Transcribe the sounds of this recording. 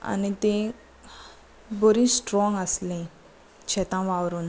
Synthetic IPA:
a̰nit̪ẽ | boɾĩːsʈɾɔ̃ŋɡəslẽ | ɕɛt̪ãʋaʋɾuːn

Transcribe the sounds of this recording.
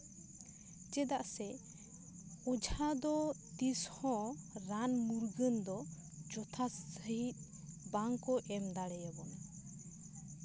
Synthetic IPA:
t͡ʃɛd̪aʔsɛ | ɔd͡ʒad̪ɔt̪ishɔ̃ɾanmuɾɡənd̪ɔ | d͡ʒɔt̪ʰasːəɦit̪̚ˀ | baŋkɔʔɛmd̪aɽɛjabɔna

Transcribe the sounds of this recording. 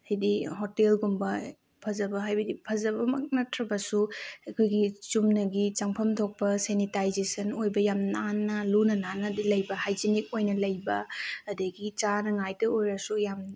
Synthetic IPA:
hajdihotelɡumbɐ | pʰɐzɐbɐɦajbɐdipʰɐzɐbɐmɐk̚nɐtʰɾɐbɐsuɐkʰojɡit͡ʃumnɐɡit͡ʃaŋpʰɐmtʰok̚pɐsenitajzesɐnojbɐjamnanːɐlunɐnanɐdilɐjbɐhajd͡ʒenik̚ojnɐlɐjbɐːdɐɡit͡ʃanɐŋajtɐojɾɐsujam

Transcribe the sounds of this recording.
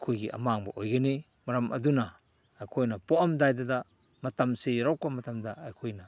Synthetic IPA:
kʰojɡiʔɐ̰maŋbɐ̰ʔojɡɐni | mɐɾɐmɐ̰dunaː | jkʰojnɐpoʔɐmdajdɐda | mɐtɐmseɾawkamɐtɐmdɐːjkʰojnɐ

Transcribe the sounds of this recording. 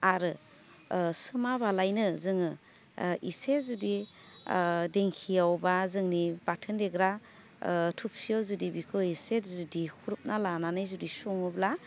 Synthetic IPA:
aɾɯ | sɯmabalajnɯzɯŋɯ | ʔisezudi | deŋkʰijawbazɯŋnib̥atʰɯndeɡɾa | tʰup̚sijɔzudibikʰɯwisezudihuɾup̚nalananɯjzudisɔŋɯbla

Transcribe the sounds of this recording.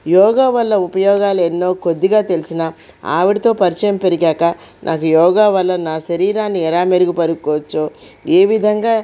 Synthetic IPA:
jɔːɡaːʋɐlːɐupɐjɔːɡaːlɐenːo̞ːko̞d̪ːiɡaːt̪e̞lisina | a̰ːʋiɽit̪o̞ːpɐɾit͡ʃɐjɐmpe̞ɾiɡaːkɐ | nʔaːkujɔːɡaːʋɐlːɐnaːʃɐɾiːɾaːnːiɛlaːmeɾuɡupɐɾuɡukɔːʋɐt͡ʃːoːeːʋid̪ʱɐŋɡaː

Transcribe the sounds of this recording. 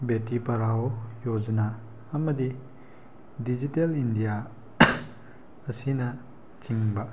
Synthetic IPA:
betːipɐɾawojod͡ʒɐna | ɐmɐd̪i | did͡ʒitelindija | ɐsinɐ | t͡ʃiŋbɐ

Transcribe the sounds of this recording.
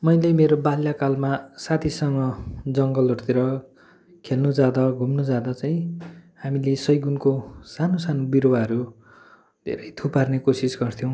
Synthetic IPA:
mʌjlemeɾobaljakalmasat̪ʰisʌŋɡʌd͡zʌŋɡʌlʌɾut̪iɾʌ | kʰelnud͡zad̪ʌɡʱumnud͡zad̪ʌt͡saĩhamilesʌjɡunkosanosanobiɾowaɦʌɾu | d̪ʱḛɾʌjt̪ʰuparnekosisɡʌrt̪ʰjõw̃

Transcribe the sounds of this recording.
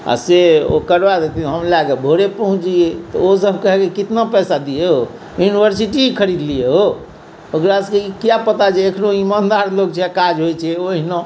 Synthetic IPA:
a̰seo̰kəɾbad̪et̪ʰiɦəmlaɡebʱoɾepəɦũt͡ʃiet̪ɔosəb̚ʱkəɦɛkikit̪napɛsad̪ijeɦo | junibʱəɾsiʈikʰəɾid̪lijeɦo | okɾaskeikijapət̪at͡ʃʰɛːkʰnoimand̪aɾlok̚t͡ʃʰɛakad͡ʒɦojt͡ʃʰɛoɦinɔ̃

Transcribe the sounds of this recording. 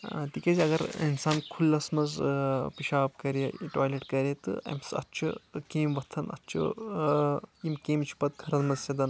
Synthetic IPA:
t̪ikɐzʲɐɡɐɾinsaːnkʰulːɐsmɐzpiʃaːpkɐɾjɐʈaːjleʈkɐɾʲjet̪ɨ̰ɐ̰msɐ̰t̪ːt͡ʃʰṵkeːmʋɐt̪ʰːɐnɐ̰tːt͡ʃʰṵ | imkeːmt͡ʃʰi̥pɐt̪̚kʰɐɾɐnmɐzsɐd̪ɐn

